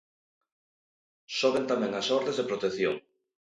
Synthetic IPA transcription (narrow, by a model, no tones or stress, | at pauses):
soβent̪amɛ̃ŋasɔɾðezðepɾot̪eθjo̰ŋ